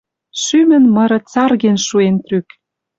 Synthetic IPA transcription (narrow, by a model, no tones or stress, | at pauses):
ʃymə̆nmɤ̆ɾɤ̆t͡sɑrɣenʃuent̪ryk